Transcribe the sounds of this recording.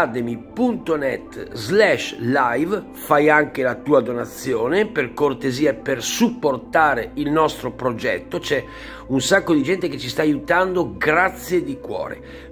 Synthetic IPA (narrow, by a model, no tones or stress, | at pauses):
ad̪emipunt̪onɛt̪ːzlɛʃlajv | fajaŋk̟elat̪uːad̪onat̪sːjɔːneperkort̪eziːaepersupːort̪aːɾeilnɔst̪ɾopɾod͡ʒɛ̰t̪ːot͡ʃɛ | unsakːod̪id͡ʒɛnt̪eket͡ʃːist̪aːjut̪and̪oɡɾat̪sːjed̪ikwɔ̰ːɾḛ